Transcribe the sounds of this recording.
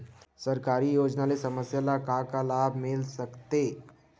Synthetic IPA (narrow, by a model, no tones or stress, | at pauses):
səɾkaɾiːjod͡ʒnalesəməsjalakakalabmelsəkt̪e